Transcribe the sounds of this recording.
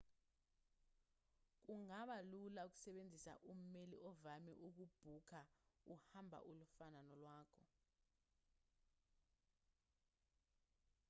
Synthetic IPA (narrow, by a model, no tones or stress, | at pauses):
k̬uŋaɓalulauk̬u̥sɛɓend͡zʱisa̰ʔum̩melḭʔɔvamḭʔuk̬ub̥ʱukʰauhambʱa̰ʔulufananɔlwaːkʰɔ